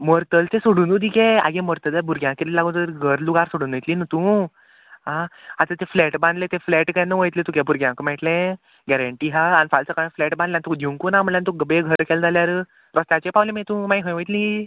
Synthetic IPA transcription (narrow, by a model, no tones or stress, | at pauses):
mɔɾt̪əlt̪esoɽũːnud̪ikẽa̰ɡẽmɔɾt̪əd͡zabuɾɡʲjãkelilaɡũt̪əɾɡʱəɾluɡaɾsoɽũːnəjt̪linət̪ũ | ɦãat̪ə̃t̪efleʈbãnd̪let̪efleʈkãnəʋəjt̪lẽt̪ũkɛ̃buɾɡjãkəmɛʈlẽ | ɡɛɾəɳʈiːɦaanfalt͡səkajflɛʈbãnd̪lãnt̪ud̪ʱjũŋkunam̤əlãnt̪uɡəbeɡʱəɾkʰɛld͡zaljaɾə | pɾɔst̪jat͡ɕepawlẽmẽt̪ũmaiɦə̃jʋəjt̪lĩ